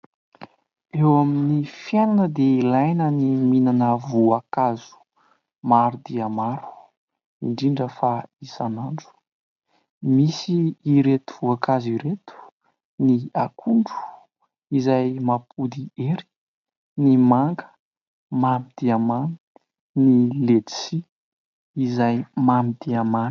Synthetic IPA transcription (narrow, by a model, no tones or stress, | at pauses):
ewaminifjananəd̪eilajnəniminanəvuakazu̥ | maɾud̪iamaɾu̥ | iɳɖ͡ʐiɳɖ͡ʐəfaisanaɳɖ͡ʐu̥ | misiːɾet̪uv̥uakaziɾet̪u̥ | niakʰuɳɖ͡ʐu̥ | izajmapud̪ieɾi̥ | nimaŋɡə̥ | mamid̪̥iamani | nilet̪si | izajmamid̪iaman